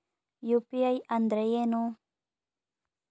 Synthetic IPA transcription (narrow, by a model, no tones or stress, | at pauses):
jʊpijajand̪ɾejeno